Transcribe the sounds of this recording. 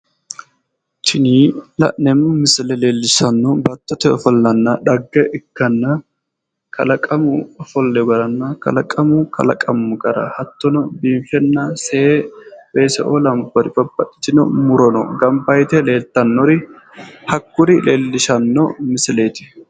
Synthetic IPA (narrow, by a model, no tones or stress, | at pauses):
t̪ʰɪniːlɐ̰ʔnɛmʊmɪslɛleːlːɪsɐnːɔbɐt̪ːɔt̪ɛɔfɔlːɐnːɐᶑɐɡːɛʔɪkːɐnːɐ | kʰɐ̰lɐkʼɐmʊɔfɔlːɛɡɐɾɐnːɐkɐ̰lɐkʼɐmʊkɐ̰lɐ̰kʼɐmːʊkʼɐɾɐ̰hɐt̪ːɔnɔbiːnfɛnːɐsebeːsɛ̰ʔolɐmbɔɾɪbɐbɐᶑɪ̥t͡ʃɪnɔ̰mʊɾɔnɔ̰ɡɐmbɐjt̪ɛle̞ːlt̪ːɐnːɔɾɪ | hɐkːʊɾɪleːlːɪʃɐnːɔ̰mɪsɪleːt̪ɪ̥